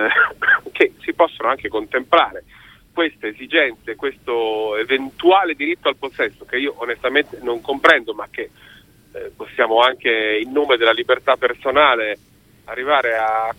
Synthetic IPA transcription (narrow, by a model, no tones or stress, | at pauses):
k̟esipɔsːonoaŋkekont̪emplaːɾe | kwest̪eːzid͡ʒɛnt̪sekwest̪oevent̪uaːled̪iɾit̪ːoalposːɛsːok̟eiːoʔonest̪ament̪enoŋkompɾɛnd̪omak̟ːe | pːosːjaːmoaŋkeilnoːmed̪elalibert̪apːersonaːle | a̰rːivaːɾea